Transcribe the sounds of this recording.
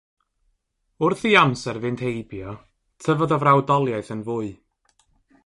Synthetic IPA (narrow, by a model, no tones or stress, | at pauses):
ʊrθiamsɛrvɪnd̥hejbjɔ | tʰəvɔðɔvrawdɔlˠjaɨθənvʊːɨ